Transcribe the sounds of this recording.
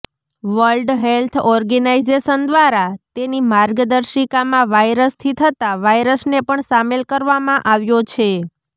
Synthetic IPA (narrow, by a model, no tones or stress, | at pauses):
ʋəlɖɦelt̪ʰɔɾɡənaizeʃənd̪ʋaɾat̪enimaɾɡd̪əɾʃikamãʋajɾəst̪ʰit̪ʰət̪aʋajɾəsnepəɳsamelkəɾʋamãʔaʋjot͡ʃʰe